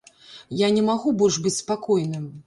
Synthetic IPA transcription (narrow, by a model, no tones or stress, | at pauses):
janʲɛmaɣubɔlʲʂbɨt͡sʲspakɔjnɨm